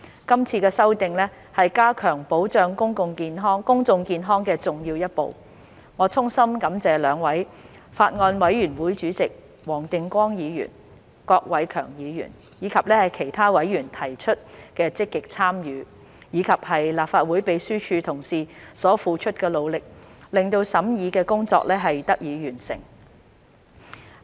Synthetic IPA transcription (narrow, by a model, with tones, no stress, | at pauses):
kɐ˥mt͡sʰiː˧kɛː˧sɐ˥wt̪ɪ˨ŋlɛː˥ | hɐ˨jkaː˥kʰœː˨˩ŋpo˨˥wt͡sœː˧ŋkʊ˥ŋkʊ˨˧ŋkiː˧nɦɔː˥ŋkʊ˥ŋt͡sʊ˧ŋkiː˧nɦɔː˥ŋkɛː˧t͡sʊ˨ŋjiː˧wjɐ˥t̚po̰˨w | ŋɔː˨˧t͡sʰʊ˥ŋsɐ˥mkɐ˨˥mt͡sɛː˨˧lœː˨˧ŋwɐ˨˥j | faː˧t̚ŋɔː˧nwɐ˨˧˥jjyː˨˩nwuː˨˥jt͡ʃyː˨˥t͡sɪ˨k̚ | wɔː˨˩ŋt̪ɪ˨ŋkʷɔː˥ŋjiː˨˧jy̰ː˨˩n | kɔː˧k̚wɐ˨˥jkʰœː˨˩ŋjiː˨˧jy̰ː˨˩n | jiː˨˧kʰɐ˨p̚lɛː˥hɐ˨jkʰe˨˩jt̪ʰaː˥wɐ˨˥jjy˨˩nt̪ʰɐ˨˩jt͡ʃʰɵ˥t̚kɛː˧t͡sɪ˥kːɪ˨k̚t͡sʰaː˥mjyː˨˧ | jiː˨˧kʰɐ˨p̚hɐ˨jlaː˨p̚faː˧t̚wuː˨˥jpe˨˧jsyː˥t͡ʃʰyː˧t̪ʰʊ˨˩ŋsiː˨sɔː˨˥fuː˨˧t͡ʃʰɵ˥t̚kɛː˧lo˨˧wlɪ˨k̚lɪ˨ŋt̪o˧wsɐ˨˥mjiː˨˧kɛː˧kʊ˥ŋt͡sɔ̰ː˧k̚lɛː˥ɦɐ˨jt̪ɐ˥k̚jiː˨˧jyː˨˩nsɪ̰˨˩ŋ